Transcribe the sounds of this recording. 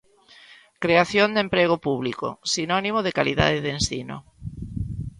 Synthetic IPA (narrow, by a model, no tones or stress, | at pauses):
kɾeaθjond̪empɾeɣopuβliko̰sinɔnimoðekaliða̰ðeðensino̰